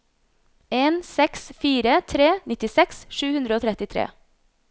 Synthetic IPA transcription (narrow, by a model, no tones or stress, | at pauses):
eːnsɛksfiːɾət̪ʰɾeːnɪt̪ɪsɛksʃʉːhʉnd̪ɾəoːt̪ʰɾɛt̪ɪt̪ʰɾḛː